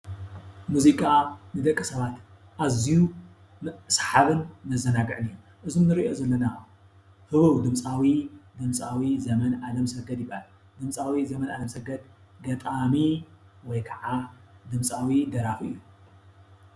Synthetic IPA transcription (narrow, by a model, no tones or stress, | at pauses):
muzikʼanɨd̪ɐkʼːɨsɐβat̪ | ʔaziju | msħaβɨnmɐzɐnaɡɨʕɨnijo | ʔɨzumnɨɾiʔozɐlːɐna | hɨβɐwd̪ɨmt͡sʼawid̪ɨmsʼawizɐmɐnʔalɐmsɐɡɐd̪jɪbal | d̪ɨmt͡sʼawizɐmɐnalɐmsɐɡɐd̪ɡɐt̪ʼami | wɔjkʰɐʕad̪ɨmt͡sʼawid̪ɐɾafɨ̰jːu